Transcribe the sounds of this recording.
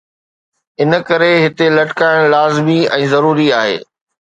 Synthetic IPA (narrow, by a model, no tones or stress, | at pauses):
ɪnəkɐɾeɦɪt̪elɐʈkaːɪɽ̃laːzmiɛ̃ːzɐɾuːɾiaːɦḛː